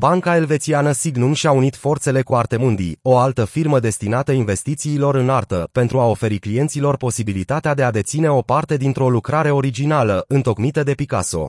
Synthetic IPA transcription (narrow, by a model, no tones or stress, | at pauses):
baŋkae̞lve̞t̪sianəsiɡnumʃiaunit̪fo̞rt̪se̞le̞kuart̪e̞mund̪ḭo̞alt̪əfirməd̪e̞st̪inat̪əinve̞st̪it̪siːlo̞ɾɨnart̪əpe̞nt̪ɾuao̞fe̞ɾiklije̞nt̪silo̞rpo̞sibilit̪at̪ead̪e̞ad̪e̞t̪sine̞o̞part̪e̞d̪int̪ɾo̞lukɾaɾe̞o̞ɾid͡ʒinaləʔɨnt̪okmit̪əd̪e̞pika̰so̞̰